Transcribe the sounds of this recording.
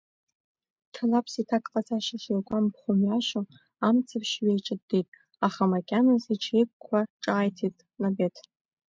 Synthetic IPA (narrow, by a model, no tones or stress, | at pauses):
tʰalapʰsitʰakʼqʼazaʃaχʲirkʷʼampχʷomɥaʃo | amt͡sʰɨpʃɥejʈ͡ʂʼɨdːejtʼ | aχamakʲʼanazit͡ʃʰejkʷʼkʷʰaʈ͡ʂʼaːjtʰitʼnabetʰ